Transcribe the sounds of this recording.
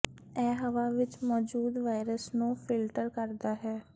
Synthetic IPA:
ɛːɦəʋaːʋɪt͡ʃmɔːd͡ʒuːd̪ʋaːɪɾəsnũːpʰɪlʈəɾkəɾd̪aːɦɛː

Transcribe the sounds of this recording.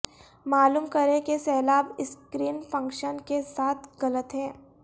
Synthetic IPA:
maːluːmkɐɾẽkesɛːlaːbɪskɾiːnfɐ̃ŋkʃənkesaːt̪ʰɣɐlət̪ɦɛ̃ː

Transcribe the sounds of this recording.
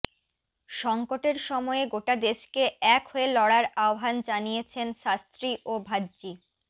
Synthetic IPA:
ʃɔŋkoʈeɾʃɔmɔeɡoʈad̪eʃkeɛkɦoelɔɽaɾaobʱand͡ʑanijet͡ɕʰenʃast̪ɾiʔobʱadd͡ʑi

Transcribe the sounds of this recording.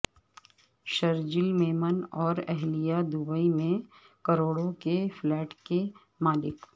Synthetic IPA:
ʃɐɾd͡ʒɪlmeːmənɔːɾɛɦlijad̪ʊbəimẽ | kɐɾoːɽõkeflɛːʈke | maːlɪk

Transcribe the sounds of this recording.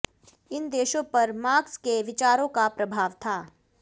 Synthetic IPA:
ɪnd̪eːʃõpɐɾmaːkskeʋɪt͡ʃaːɾõkapɾɐbʱaːʋt̪ʰaː

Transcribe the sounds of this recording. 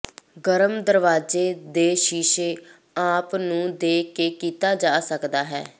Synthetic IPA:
ɡəɾəmd̪əɾʋaːd͡ʒeːd̪eːʃiːʃeː | aːpnũːd̪eːkeːkiːt̪aːd͡ʒaːsəkd̪aːɦɛ̰ː

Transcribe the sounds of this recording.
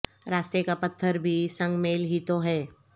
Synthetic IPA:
ɾaːst̪ekapɐt̪ʰːəɾbʱisɐ̃ŋɡmeːlɦit̪oɦɛː

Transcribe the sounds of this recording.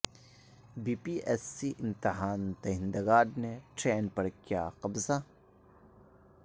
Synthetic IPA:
biːpiʔɛsːiʔɪ̃mt̪ɪɦaːnt̪ɐɦɪ̃nd̪ɐɡaːɾneʈɾeːnpɐɾkja̰ːqɐbza

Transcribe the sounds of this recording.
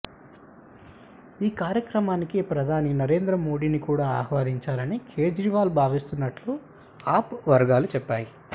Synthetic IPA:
iːkaːɾjɐkɾɐmaːnikipɾɐd̪ʱaːninɐɾe̞ːnd̪ɾɐmo̞ːɽiːnikuːɽaːa̰ːhʋaːɾiɲt͡ʃaːlɐnikʰeːd͡ʒɾiʋaːlubʱaːʋist̪unːɐʈlu | aːpʋɐɾɡaːlut͡ʃɛpːaːji

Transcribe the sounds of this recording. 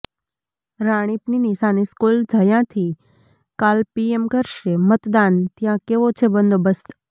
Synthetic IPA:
ɾaːɽ̃ipninisaːniskuːld͡ʒʱajãt̪ʰiː | kaːlpiemkəɾʃɾemət̪d̪aːnt̪ɪjãkeʋot͡ʃʰebə̃nd̪ʱobəst̪

